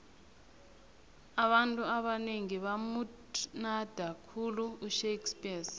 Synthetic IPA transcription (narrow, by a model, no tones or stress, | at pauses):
aɓantʼuaɓaneŋiɓamu | nad̥ʱakʰuluːʃekspʼias